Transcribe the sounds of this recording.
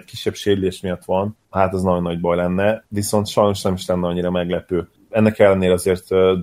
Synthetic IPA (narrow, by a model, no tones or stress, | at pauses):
ckiʃːɛbʃeːɾyleːʃmijɒt̪ʋɒn | haːt̪ɛznɒɟo̞nːɒɟbɒjlɛnːɛviso̞nt̪ʃɒjno̞ʃnɛmiʃlɛnːɛɒɲːiɾɒmɛɡlɛpøː | ɛnːɛkɛlːɛneːɾɛɒzeːrt̪